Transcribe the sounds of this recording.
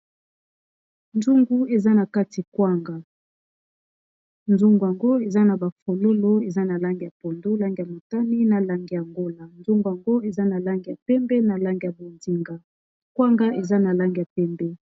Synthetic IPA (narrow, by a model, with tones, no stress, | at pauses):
nzu˦ŋɡu˦e˨za˦na˨ka˦ti˨kwa˦ŋɡa˨ | nzu˦ŋɡu˨ja˨ŋɡo˦e˨za˦na˨ba˨fo˨lo˦lo˦e˨za˦na˨la˦ŋɡi˨ja˨po˨ndo˦la˦ŋɡi˨a˨mo˨ta˦ni˦na˨la˦ŋɡi˨ja˨ŋɡo˦la˨nzu˦ŋɡu˨ja˨ŋɡo˦e˨za˦na˨la˦ŋɡi˨ja˨pɛ˦mbɛ˦na˨la˦ŋɡi˨ja˨bo˨ndi˦ŋɡa˨ | kwa˦ŋɡa˦ʔe˨za˦na˨la˦ŋɡi˨ja˨pɛ˦mbɛ˦